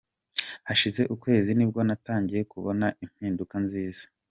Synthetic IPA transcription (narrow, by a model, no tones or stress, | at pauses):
haʃize̞ʔukwe̞ːzinib̚ɡo̞nataːɲɟije̞kuβo̞naʔim̥hiːndukanziːz̥ḁ